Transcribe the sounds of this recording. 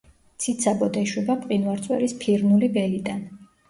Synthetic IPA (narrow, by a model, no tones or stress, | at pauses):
t̪sʰit̪sʰabɔd̪ɛʃwɛbapʼqʼinwaɾt̪sʼwɛ̰ɾispʰiɾnulibɛlid̪an